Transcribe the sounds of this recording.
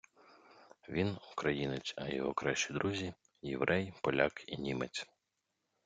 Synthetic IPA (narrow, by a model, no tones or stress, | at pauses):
ʋʲinukɾɐjinet͡sʲɐjɔ̰ɦɔkɾaʃt͡ʃid̪ɾʔuzʲi | jḛʋɾʔɛjpɔlʲakinʲimet͡sʲ